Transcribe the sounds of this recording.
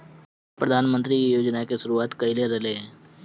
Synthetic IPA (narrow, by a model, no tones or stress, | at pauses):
pɾəd̪ʱaːnmə̃nt̪ɾikijoːd͡ʒnakeʃʊɾuaːt̪kɐileɾɐɦleɦɛ̃ː